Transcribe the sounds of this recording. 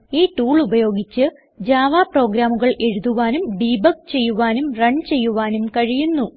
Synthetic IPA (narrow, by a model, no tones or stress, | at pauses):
iːʈuːɭubɐjo̞ːɡit͡ɕːɨ | d͡ʑaːʋaːpro̞ːɡɾaːmuɣɐɭʔe̞ɻuðuʋaːnumbiːbɐk̚t͡ɕe̞jːuʋaːnumrɐɳt͡ɕe̞jːuʋaːnumkɐɻijunːu